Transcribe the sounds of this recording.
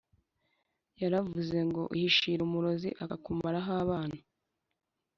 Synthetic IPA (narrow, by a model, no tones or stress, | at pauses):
jaɾavuze̞ŋɡo̞̰ʔihiʃiɾumuɾo̞zḭʔaakumaɾaɦaːβaːna